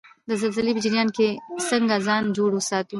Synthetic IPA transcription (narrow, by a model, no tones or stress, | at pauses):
d̪əzalzəlibɪd͡ʒɾjɑːnkesəŋɡazɑːnd͡ʒoɽosɑːt̪ũ